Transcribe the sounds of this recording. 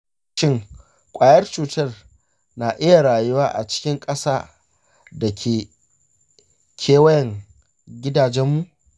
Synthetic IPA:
ʃɪ˦ŋ | kʷʼaː˨jɐ˦rt͡ʃuː˨tɐ˦r | na˨ʔɪ˦ja˨ɽaː˨jʊ˦waː˦ʔa̰˨t͡ʃɪ̥˦kʲɪ˦ŋkʼɐ˦saː˦ | dɐ˨kʲʰeː˨ | kʲʰeː˦wɐ˦jɛ˨ŋ | ɡʲɪ˦daː˨d͡ʒɛ˦mːu˦ʔ

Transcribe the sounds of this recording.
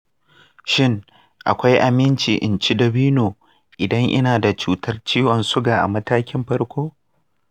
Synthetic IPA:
ʃɪ˦ŋ | ʔa̰˨kʷa˦jʔa˨mɪ˦nt͡ʃiː˨ʔɪ̰˨nt͡ʃi˦dɐ˨biː˦noː˨ | ʔɪ˨dɐ˦ŋʔɪ̰˦naː˨da˨t͡ʃuː˦tɐ˦rt͡ʃiː˦wɐ˨nsʊ˦ɡaː˨ʔa̰˨mɐ˦taː˦kʲɪ˦mɸɐ˦rkʷoː˦

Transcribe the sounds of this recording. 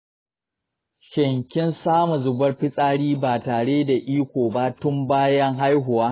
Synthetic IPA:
ʃɪ˨ŋkʲɪ˦nsaː˦mu˨zʊ˨bɐ˦rɸɪ˦sʼaː˦ɽiː˦baː˨taː˨ɽeː˦da˨ʔiː˦kʷoː˨ba˦tʊ˦mbaː˦jɐ˦ŋɦa˦jɦʊ˨waː˦

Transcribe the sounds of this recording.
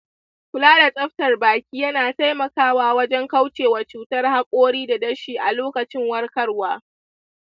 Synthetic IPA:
kʷʊ˨˦laː˦da˨sʼɐ˦ɸtɐ˨rbaː˨kʲiː˦jɐ˦naː˨ta˦jmɐ˨kaː˦waː˦wɐ˦d͡ʒɛ˦ŋka˦wt͡ʃeː˨wɐ˨t͡ʃuː˨˦tɐ˦rha˦kʷʼoː˦ɽiː˦da˨dɐ˦ʃiː˨ʔa˨loː˦kɐ˨t͡ʃɪ˦ŋwɐ˦rkɐ˦rwaː˦

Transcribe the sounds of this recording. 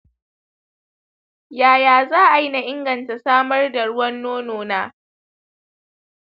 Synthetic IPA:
jaː˨jaː˨zaː˦ʔa˨ji˦na˨ʔɪ˦ŋɡɐ˨nta˨saː˦mɐ˦rda˨ɽʊ˦wɐ˦nːoː˦noː˦naː˦

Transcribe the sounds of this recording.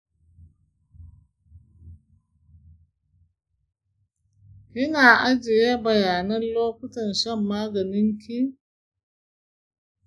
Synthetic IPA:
jɪ˦naː˨ʔa˦d͡ʒɪ˨jeː˦bɐ˨jaː˨nɐ˦nloː˦kʊ˦tɐ˨nʃɐ˦˨mːaː˦ɡɐ˨nɪ˦ŋkʲʰi˦

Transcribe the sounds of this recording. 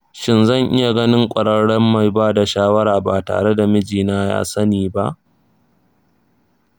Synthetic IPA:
ʃɪ˦nzɐ˦˨ŋʔɪ˦ja˨ɡɐ˦nɪ˦ŋkʷʼɐ˨ɽɐ˦ɽɛ˦mːa˨jbaː˦da˨ʃaː˦wɐ˦ɾaː˨baː˨ta̰ː˨ɽe˦da˨mɪ˦d͡ʒiː˨naː˦ja̰ː˦sɐ˦niː˨ba̰˦ʔ

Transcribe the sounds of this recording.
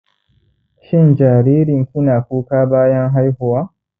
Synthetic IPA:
ʃɪ˦nd͡ʒaː˨ɾiː˦ɾɪ˨ŋkʷu˦naː˨kʷuː˦kaː˦baː˦jɐ˦ŋɦa˦jhʊ˨waː˦

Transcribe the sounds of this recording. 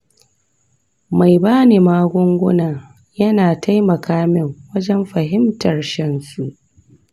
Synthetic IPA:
ma˨jbaː˦neː˨maː˦ɡʷʊ˦ŋɡʷʊ˦naː˨ | jɐ˦naː˨tʰa˦jmɐ˨kaː˦mɪ˦˨ŋwɐ˦d͡ʒɛ˦mɸɐ˨ɦɪ˦mtɐ˨rʃɛ˦nsu˨ʔ

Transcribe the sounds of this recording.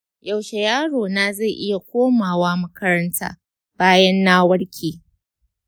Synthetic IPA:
ja˨wʃe˨jaː˦ɽoː˨naː˦za˦˨ʔɪ˦ja˨kʷoː˦maː˨waː˦mɐ˦kɐ˦ɾɐ˦ntʰa̰ː˦ | b̥aː˦jɐ˦nːaː˦wɐ˦ɽkʲʰeː˨

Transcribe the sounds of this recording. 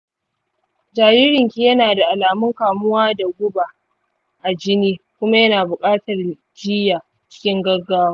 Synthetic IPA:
d͡ʒaː˨ji˦ɾɪ˨ŋkʲiː˦jɐ˦naː˨da˨ʔa˨laː˨mʊ˦ŋkaː˨mʊ˦waː˦da˨ɡʷʊ˦ba˨ | ʔa˨d͡ʒɪ˦niː˦kʷʊ˦ma˦jɐ˦naː˨bʊ˨kʼaː˦tɐ˨r | d͡ʒiː˦ja˨ | t͡ʃɪ̥˦kʲɪ˦ŋɡɐ˦rɡaː˦waː˦

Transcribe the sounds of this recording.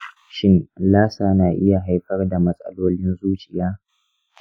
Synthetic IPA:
ʃɪ˦nlaː˦saː˨naː˨ʔɪ˦ja˨ɦa˦jɸɐ˦rda˨mɐ˦sʼɐ̰˦loː˦lɪ˦nzuː˦t͡ʃʼɪ˨jaː˦

